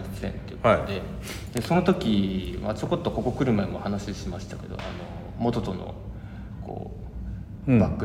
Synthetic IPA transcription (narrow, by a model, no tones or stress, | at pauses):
sḛ̃nt̪eɯhaed̪e̞ | d̪eso̞no̞t̪o̞kʲimat͡ɕoko̞t̪ːo̞ko̞ko̞kɯ̟ɾɯ̟maemo̞hanaɕiɕimaɕi̥t̪ake̞d̪o̞̰ʔano̞ | mo̞t̪ot̪o̞no̰ | kʰo̰ː | bakːɯ̟